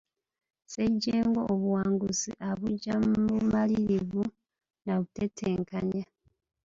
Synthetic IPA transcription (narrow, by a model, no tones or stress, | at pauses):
seɟːeːŋɡo̞ʔːβuwaːŋɡusḭʔaβuɟammumaliɾivu | naβutetʰeːŋkaɲa